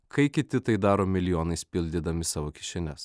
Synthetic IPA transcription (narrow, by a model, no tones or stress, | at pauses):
kɐɪkʲɪt̪ʲɪt̪ɐɪd̪ɑːɾoːmʲɪlʲɪjoːnɐɪspʲɪlʲd̪ʲɪd̪ɐmʲɪsɑːʋoːkʲɪʃʲɪnʲɛs